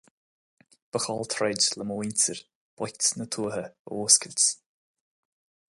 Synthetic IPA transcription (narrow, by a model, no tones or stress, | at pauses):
b̥əxɔlt̪ʰɾɛd͡ʒləmoːinʲtəɹ | b̥ɔjktnət̪ʰuːɦəoːskəlʲtt͡s